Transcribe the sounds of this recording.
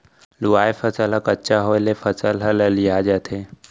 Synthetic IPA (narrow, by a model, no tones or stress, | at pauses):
luajfət͡salakətːt͡ʃaɦojlefət͡səlɦaləliad͡ʒat̪ʰe